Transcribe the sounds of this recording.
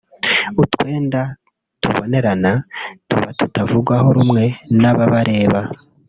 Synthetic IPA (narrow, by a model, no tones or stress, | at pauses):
utwe̞ːnda | tṵβone̞ɾanatṵβatutavuɡwahoɾumŋe̞naβaβaɾʔe̞ːβa